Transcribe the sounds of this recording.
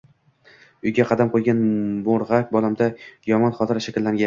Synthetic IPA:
ʊjɡʲaqʰɑd̪amqʰojɡʲanboɾʁak̚ʲbɒlˠamd̪ajɒmɒnχɒt̪ʰɪɾaʃakʲlːaŋɡʲa

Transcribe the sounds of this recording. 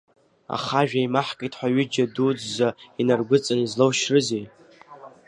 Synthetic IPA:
a̰χaʒᶣaimaħkʼijtʼʰħʷaɥɪd͡ʒadud͡zːainarɡʷʊt͡sʼanizlowʃrɨzej

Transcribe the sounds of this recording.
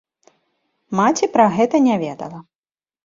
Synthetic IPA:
mat͡sʲipɾɐɣɛt̪ɐnʲavʲɛd̪ɐ̰lˠɐ

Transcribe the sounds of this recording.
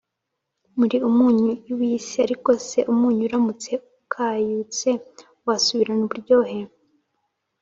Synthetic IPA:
muɾiumuːɲujuwisiaɾiko̞se̞ʔumuːɲuːɾamut͡se̞ukʰaːjut͡se̞ | wasuβiɾanoβuɾɟo̞ːɦe̞

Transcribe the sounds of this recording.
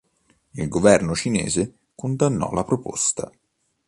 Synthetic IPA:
ilɡovɛrnot͡ʃinḛːze | kond̪anːɔ̰lapɾopo̰st̪a̰

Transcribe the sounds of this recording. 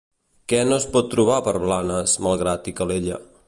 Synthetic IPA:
kɛnospɔt̪ːɾuβ̞apəɾβlanəzmalˠɣɾat̪ikəleʎə

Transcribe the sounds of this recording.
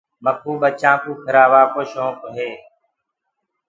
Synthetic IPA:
mək̚ʰuːɓət͡ʃãːkuːkʰəɾaːʋaːkoːʃõːkɦeː

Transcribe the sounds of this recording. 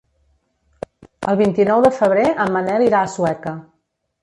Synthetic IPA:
ə̰lˠβint̪inɔwðəfəβ̞ɾeʔəmːənɛliɾaːsuɛkə

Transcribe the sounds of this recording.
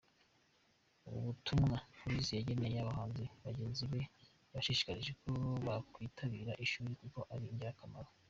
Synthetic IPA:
uṵβutumŋapoɾisijaɟe̞ne̞jejaβahaːnzeβaɟe̞ːnziβe̞ | βaʃiːʃi̥kaɾiʒe̞koβakwiːtʰaβiɾaʔiʃuːɾikuko̞ʔaɾiɲɟeɾakamaɾo

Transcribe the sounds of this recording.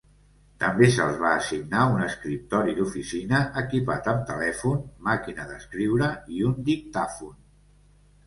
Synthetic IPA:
t̪əmbesəlˠzβaːsiɡnaunəskɾip̚t̪ɔɾid̪ufisinəʔəkipat̪əmt̪əlɛfunmakinəðəskɾiwɾəiund̪ik̚t̪afun

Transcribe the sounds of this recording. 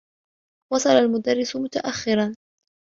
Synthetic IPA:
wɑsˤɑlalmʊd̪arːɪsʊmʊt̪aʔaxːɪɾan

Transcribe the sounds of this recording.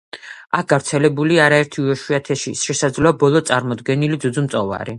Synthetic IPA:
ak̚ʰɡ̥avɾt̪sʰɛlɛbuliaɾaɛɾt̪ʰiuvɛʃuat̪ʰɛʃiʃɛsad̪zlɔabɔlˠɔt̪sʼaɾmɔd̪ɡɛnilid̪zud̪zumt̪sʼɔva̰ɾi

